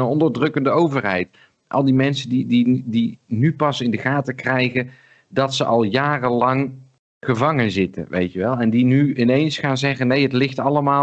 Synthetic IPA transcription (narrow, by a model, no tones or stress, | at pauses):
ənɔndəɹdrɵkəndəowvərɦɛjt | ʔɑ̰lˠdimɛnsəndididinypɑsɪndəχaːtəkrɛjχə | dɑtsəʔɑlˠjaːrəlɑŋ | χəvɑŋənzɪtə̰nʋḛjtəʋɛlˠɛndinyɪnejnsχaːnzɛχənejɦətlɪχtɑləmaː